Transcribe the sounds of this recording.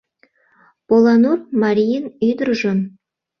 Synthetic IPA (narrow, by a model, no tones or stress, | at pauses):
polˠɑnurmɑɾʲijənyjd̪ərʒon